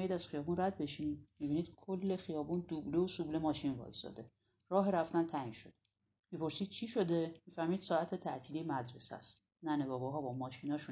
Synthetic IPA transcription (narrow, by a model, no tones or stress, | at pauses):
jid̪æz̥χijɒːbunræd̪̚be̞ʃimibiːniːd̪̥kʰolːe̞xijɒːbund̪ubleosuble̞mɒːʃinvɒ̰ːjisɒ̰ːd̪e̞ | rɒːɦeɾæft̪ænt̪ʰæinʃod̪e | mipʰo̞ɾsiːd̪̥̚t͡ʃʰiːʃo̞d̪e̞miːfæɾmiːd̪̥sɒːæt̪ʰet̪ʰæʔt̪ʰiːlimæd̪ɾesæ̰st̪ | nænebɒːbɒɦɒːbɒːmɒːʃinɒːʃun